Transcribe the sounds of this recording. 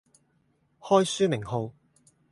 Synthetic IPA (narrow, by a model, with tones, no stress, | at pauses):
hɔː˥jsyː˥mɪ˨˩ŋɦo˨˧w